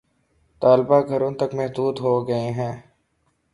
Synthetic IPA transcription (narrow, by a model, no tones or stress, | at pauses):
t̪aːlbaɡʱɐɾõt̪ɐkmɛɦd̪uːd̪ɦoːɡɐeɦɛ̃ː